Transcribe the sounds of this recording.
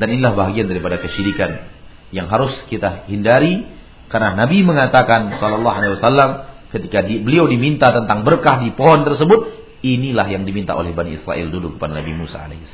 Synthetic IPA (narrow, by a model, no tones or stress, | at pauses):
daninilahbaɦaɡiandaɾipadakəʃiɾikan | jaŋɦaɾʊskit̪ahindaɾi | karənanabiməŋat̪akansɔlɑlːɑɦalewasalːam | kət̪ikadbəliawdimint̪at̪ənt̪aŋbərkahdipoɦɔnt̪ərsəbʊt̪̚ | inilahjaŋdimint̪a̰ʔo̰lɛhbaniisɾa̰ʔɪ̰ldulukə̥padanabimusa̰a̰lḛhis